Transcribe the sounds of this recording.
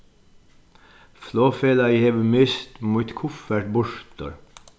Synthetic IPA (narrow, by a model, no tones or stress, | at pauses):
floːfeːlɑiheːʋəmeːst̪muːt̪kʰʊfæʈ̚bʊʃt̪ɔ̰ɾ